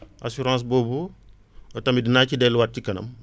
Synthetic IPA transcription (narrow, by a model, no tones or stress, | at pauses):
ʔasuɾɑ̃ːs̬boːbu | ɔtɐmidinaːcidɛlːuwat̚cikɐnɐ̰m